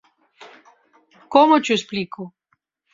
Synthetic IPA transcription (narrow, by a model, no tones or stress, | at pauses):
komot͡ʃuespliko